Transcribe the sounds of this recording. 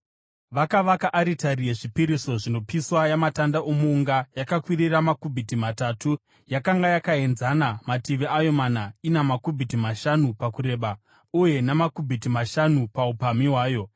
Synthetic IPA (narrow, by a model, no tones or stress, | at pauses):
ʋakaʋakaʔaɾitaɾie̞ʐipiɾiso̞ʐino̞piswajamatandaʔomuːŋɡajakakwiɾiramakubʱitimatatu | jakaŋɡajakae̞nzanamatiʋiajo̞manainamakubʱitimaʃanupakuɾe̞ːɓa | uje̞namakubʱitimaʃanupaupamiɦwaːjo̞